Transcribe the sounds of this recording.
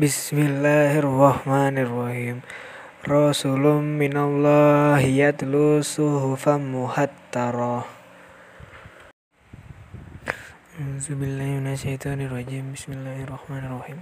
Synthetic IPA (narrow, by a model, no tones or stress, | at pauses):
bɪsmɪlːaːhɪrɑhmaːnɪrˤːɑhiːm | ɾɑsulʊmːɪnalːɑːhijat̪lusʊɦʊfamʊhat̪ːɑɾˤɑ | auzubilːaːhmɪnaʃajt̪ʰɑːnirˤːɑd͡ʒiːmbismilːaːhrˤːɑhmaːnɪrˤːɑhiːm